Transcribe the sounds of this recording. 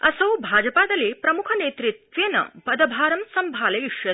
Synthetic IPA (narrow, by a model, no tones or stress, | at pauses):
ɐsɐwbʱaːd͡ʒɐpaːd̪ɐleːpɾɐmukʰɐneːt̪ɾit̪ʋjɐnɐ̰bɐd̪ɐbʱaːɾɐmsɐmbʱaːlɐjiʂjɐ